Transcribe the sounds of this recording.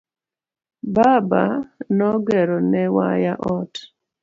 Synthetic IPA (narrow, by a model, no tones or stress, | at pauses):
baba̰nɔɡɛɾɔnɛwa̰jaʔɔt